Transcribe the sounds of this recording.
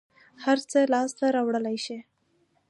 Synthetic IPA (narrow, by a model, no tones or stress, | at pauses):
haɾt͡səlɑst̪aɾɑwɽəlajʃi